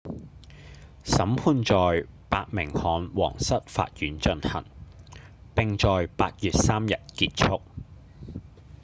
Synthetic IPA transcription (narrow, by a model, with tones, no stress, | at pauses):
sɐ˨˥mpʰuː˧nt͡ʃɔː˨jpaː˧t̚mɪ˨˩ŋhɔː˨˥nwɔ̰ː˨˩ŋsɐ˥t̚fa̰ː˧t̚jyː˨˥nt͡ʃɵ˧nhɐ̰˨˩ŋ | pɪ˨ŋt͡ʃɔː˨jpaː˧t̚jyː˨t̚saː˥mjɐ˨t̚kiː˧t̚t͡ʃʰʊ˥k̚